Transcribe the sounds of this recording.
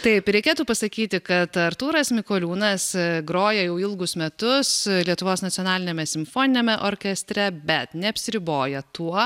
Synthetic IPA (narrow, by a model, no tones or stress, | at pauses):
t̪ɐɪpɾʲɛɪkʲeːt̪uːpɐsɐkʲiːt̪ʲɪkɐt̪ɐɾt̪uːɾɐsmʲɪkoːlʲuːnɐsɡɾoːjɛjɛʊɪlˠɡʊsmʲɛt̪ʊslʲiɛt̪ʊʋoːsnɐt̪ʲɔnɑːlʲɪnʲemʲɛsʲɪmfoːnʲɪnʲeːmʲɛʔoːɾʲkʲɛsʲt̪ʲɾʲɛbʲɛt̪nʲɛɐpʲsʲɪɾʲɪboːjɛt̪uɔ